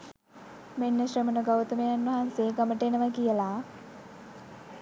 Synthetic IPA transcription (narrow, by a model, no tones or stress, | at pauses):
menːəɕrəmənəɡaʋt̪əmejanʋɐɦanseːɡaməʈəenəʋakijəlaː